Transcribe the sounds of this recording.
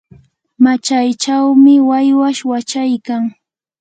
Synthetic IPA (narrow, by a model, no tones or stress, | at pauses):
mat͡ʃajt͡ʃawmɪwajwaʃwat͡ʃajkaŋ